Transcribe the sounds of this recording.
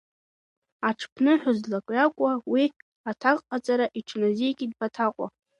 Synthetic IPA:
aʈ͡ʂʰpʰnɨħʷᶣʊzlakʷʼjakʷʼawi | atʰaqʼqʼːat͡sʼaɾaʔiʈ͡ʂʰnaziɡʲʼid̚pʰatʰaqʷʼa̰

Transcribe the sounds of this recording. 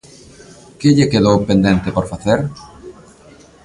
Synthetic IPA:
keʎekeðowpend̪ẽnt̪epoɾfaθeɾ

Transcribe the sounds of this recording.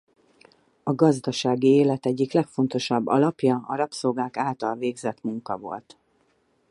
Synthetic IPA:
ɒɡɒzd̪ɒʃaːɡieːlɛt̪ɛɟːiklɛkfo̞nt̪o̞ʃɒbːɒ̰lɒpjɒɒ̰ɾɒpsoɡaːkaːlt̪ɒlveːɡzɛt̪muŋkɒ̰vo̞̰lt̪

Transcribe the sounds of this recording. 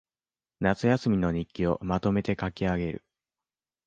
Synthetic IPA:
nat͡sɨjasɨmʲino̞ɲ̟ikʲːio̞mat̪o̞me̞t̪e̞kakʲiaɡe̞ɾɯ̟̰

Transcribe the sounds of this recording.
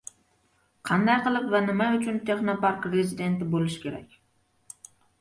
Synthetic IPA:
qʰɑnd̪ɑjqəlˠɨpvɛnɪmɛʊt͡ʃʰynt̪ʰeχnɑpɑɾkɾezid̪e̞nt̪ɪbolˠɪʃkʲʰeɾɛ̰kʲ

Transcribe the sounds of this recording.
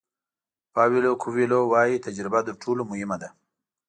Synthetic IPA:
pɑwilokʰuwilowɑjit̪ad͡ʒɾɪbad̪əɾʈʰolomʊhɪmad̪a

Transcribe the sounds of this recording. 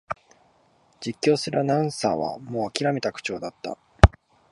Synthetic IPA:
d͡ʑikʲːo̞ːsɨɾɯnãɯ̃sa̰ːβa̰mo̞ːakʲiɾame̞t̪akɯ̟̥t͡ɕo̞ːd̪at̪ːa̰

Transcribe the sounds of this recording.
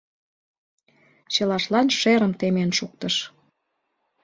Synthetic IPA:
t͡ɕə̆lɑʃlɑnʃeɾə̆mt̪emenʃuk̚t̪əʃ

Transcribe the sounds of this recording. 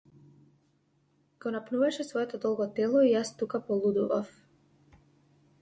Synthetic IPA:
ɡ̥ɔnapnuvaʃɛsvɔɛt̪ɔd̪ɔlˠɡɔt̪ɛlˠɔijast̪ukapɔlˠud̪uva̰f

